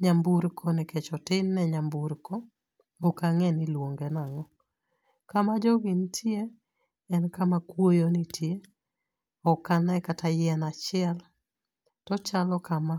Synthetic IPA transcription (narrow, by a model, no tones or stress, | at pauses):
ɲambuɾkʰɔnɛket͡ʃɔtɪnːɛɲambuɾkɔ | okaŋɛnɪlwoŋɡenaŋɔ | kamad͡ʒɔɡɪntʰjeː | nkamakwojonitʰje | ɔkanaɛkatʰajɛnat͡ʃɪɛl | tɔt͡ʃalɔkama